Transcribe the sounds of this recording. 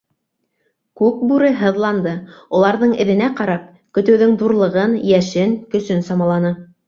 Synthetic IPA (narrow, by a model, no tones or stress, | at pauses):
kʉk̚bʉɾɘɦɤ̆ðlˠɑnd̪ɤulˠɑɾðɤɴɘ̆ðɘ̆næqɑɾɑp̚ | kɵ̆t̪ɘ̆wðɵŋðuɾlˠɤ̆ʁɤnjæʃɘŋkɵ̆sɵnsɑmɑlˠɑnɤ